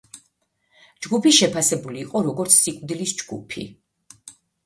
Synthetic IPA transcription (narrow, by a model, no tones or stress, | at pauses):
d͡ʒɡupiʃɛpʰasɛbuliːqʼɔɾɔɡɔɾt̪sʰsikʼd̪ilisd͡ʒɡupʰḭ